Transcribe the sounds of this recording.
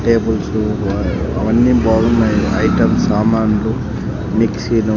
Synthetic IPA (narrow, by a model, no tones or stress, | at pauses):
ʈeːbulsu | ɐʋɐnːibaːɡunːaːjiɐjʈɐmsaːmaːnlu | miksiːnu